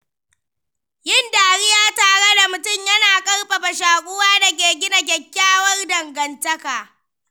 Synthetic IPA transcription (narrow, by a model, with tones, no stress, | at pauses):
jɪ˦˨ndaː˨ɽɪ˦jaː˦taː˨ɽe˦da˨mʊ˨tʊ˦˨mjɐ˦naː˨kʼɐ˦rɸɐ˨ɸa˨ʃaː˨kʷʼʊ˦waː˦dɐ˨k̬ʲeː˨ɡʲɪ˦na˨k̬ʲɐ˨kʲːaː˦wɐ˦rdɐ˨ŋɡɐ˨ntɐ˦kaː˨